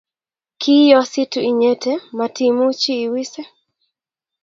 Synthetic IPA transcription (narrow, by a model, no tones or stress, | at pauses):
kijɔsituiɲɛtɛmatimut͡ʃiːwisɛ